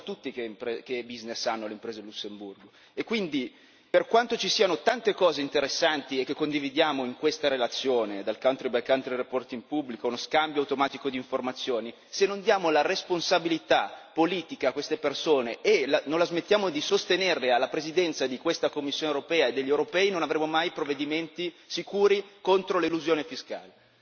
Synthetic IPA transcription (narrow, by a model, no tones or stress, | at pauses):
at̪ːut̪ːikempekebiznesanːoleimpɾeːzelusːemburɡo | ekːwind̪i | perkwant̪ot͡ʃisiːanot̪ant̪ekɔːzeint̪eɾesːant̪iekːekːond̪ivid̪jaːmoiŋkwest̪aɾelat̪sːjoːned̪alkawnt̪ɾibajkawnt̪ɾirepɔrt̪iŋpubːlikounoskambjoawt̪omaːt̪ikod̪iːɱformat̪sːjoːni | senːond̪jaːmolaresponsabilit̪apːoliːt̪ikaːkːwest̪epersoːneʔelanõnlazmet̪ːjaːmod̪isost̪enernealːapɾezid̪ɛnt̪sad̪ikwest̪akomːisːjoːneuɾopɛːaed̪ːeʎːewɾopɛːinonavɾemːomajpɾovːed̪iment̪isikuːɾikont̪ɾoleluzjoːnefiska̰ːle